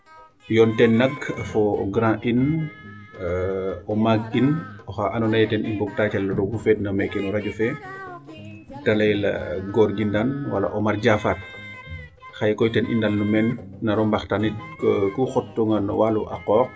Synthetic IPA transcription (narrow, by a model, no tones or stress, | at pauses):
jɔntɛnːɐɡɐfɔ̰ɡɾãːʔin | ɔmaɡinɔxaʔanɔnajtɛnimbɔɡ̚taːcalːɔdɔbufɛːd̚nɐmɛkɛnɔɾaɟɔfɛ | dalɐjlɐ̰ɡɔɾɡindanwa̰la̰ʔɔmarɟafat̚ | xajkɔjtɛnʔḭndanːumɛnː | ɐɾɔmbaxtanit̚kuxɔtːɔŋɡanɔ̰waluʔa̰qɔːk̚